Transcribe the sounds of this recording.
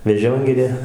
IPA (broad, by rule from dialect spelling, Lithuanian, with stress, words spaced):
ʋʲɛˈʒʲoːŋʲɡʲɪrʲeː